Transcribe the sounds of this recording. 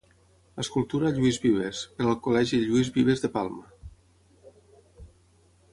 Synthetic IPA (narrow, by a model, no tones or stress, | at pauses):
əskulˠt̪uɾaʎuizβiβ̞eseɾalˠkolɛʒiʎuizβiβ̞ezðepalˠma